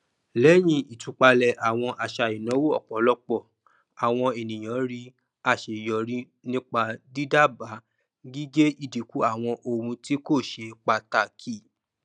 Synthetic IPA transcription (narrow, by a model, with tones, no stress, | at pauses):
lɛ˨˦j̃ĩ˧i˨tu˨˦k͡pa˧lɛ˨ʔa˨w̃ɔ̃˧ʔa˨ʃa˧˨i˨nã˨˦wo˦ɔ̰˦˨k͡pɔ˨˦lɔ˧˦k͡pɔ˦˨ | a˨w̃ɔ̃˧e˨nĩ˨j̃ã˨˦ɾi˦ | a˦˨ʃe˨jɔ˨ɾi˦ | nĩ˦k͡pa˧di˦da˦ba˨˦ | ɡi˦ɡe˦i˦˨di˨˦ku˨˦a˦˨w̃ɔ̃˧ʔo˧˨ɾũ˧ti˦ko˦˨ʃe˧k͡pa˧˨ta˨kʰi˦˨